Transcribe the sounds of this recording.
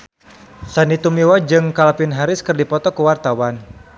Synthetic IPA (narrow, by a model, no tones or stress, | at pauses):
sanit̪umiwad͡ʒɨŋkalapɪnɦaɾɪskɨərdipɔt̪ɔkəwart̪awan